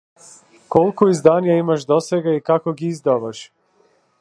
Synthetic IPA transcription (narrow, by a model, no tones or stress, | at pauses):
kolkoizd̪anijaimaʃd̪oseɡaikakoɡiizd̪aʋaʃ